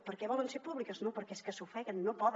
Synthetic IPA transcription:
pəɾkɛβɔlənseɾpuβlikəznopəɾkɛeskəsufɛɣənːopɔð

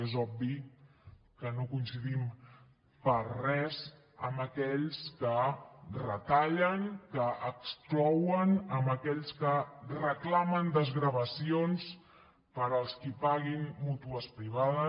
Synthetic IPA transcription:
ezɔbi | kənokunsəðim | pərɛz | əmbəkɛʎskərət̪aʎəŋkəʔəksklɔwənəmbəkɛʎskərəklamənd̪əzɣɾəβəsions | pəɾəlˠskipaɣinmut̪uəspɾiβ̞aðə

